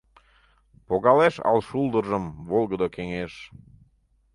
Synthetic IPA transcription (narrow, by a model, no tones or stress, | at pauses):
poɣɑleʃɑ̰lʃuld̪əʒəmvolˠɣəd̪okeŋeʃ